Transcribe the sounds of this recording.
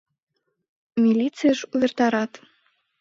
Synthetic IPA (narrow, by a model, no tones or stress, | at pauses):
milʲit͡sɨjəʃuβert̪ɑɾɑt̪